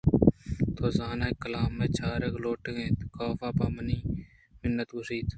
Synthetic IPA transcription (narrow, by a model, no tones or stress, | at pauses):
t̪ʰoːzaːnaːekəlaːmːẽːt͡ʃʰaːɾekloːʈːɡẽːt̪kaːfaːpaːməniː | mɪnːət̪ɡʊsiːt̪